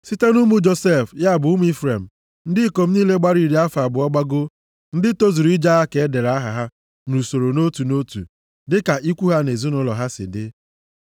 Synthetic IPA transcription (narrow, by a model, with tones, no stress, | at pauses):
si˦te˦nu˦mu˦d͡ʒo˨se˦˨fja˦˨bʊ˨ʊ˦m˦i˦fɾe˨m̩˨ | n̩˦dɪ˦ko˨m̩˦niː˦le˦ɡ͡ba˦ɾi˨ɾi˦a˦fa˨bʊ˨ɔ˦ɡ͡ba˦ɡo˦ | n̩˦dɪ˦to˦zu˨ɾi˦d͡ʒa˦a˦ke˨e˦de˨ɾa˦ɦa˨ɦa˦ | nu˨so˨ɾo˨no˦tu˨no˦tṵ˨ | dɪ˦ka˨ʔi˦kʷu˦ɦa˦ne˨zi˦nʊ˦lɔ˨ɦa˦sɪ̰˨dɪ˦